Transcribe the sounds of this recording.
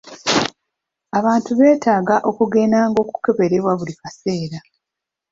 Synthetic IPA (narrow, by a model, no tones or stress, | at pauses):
aβaːntuβe̞ːtaːɡaʔo̞kuɡe̞ːnaːŋɡo̞ːku̥ke̞βe̞ɾe̞βwaβulikase̞ːɾa